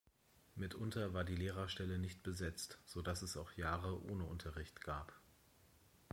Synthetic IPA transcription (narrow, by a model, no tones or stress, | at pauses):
mɪtʔʊntɐvaːɐdiːleːʁɐʃtɛlənɪçt̚b̥əzɛt͡stz̥odasɛsaʊxjaːʁ̞əʔo̰ːnəʊntʰɐʁɪçtɡ̥aːp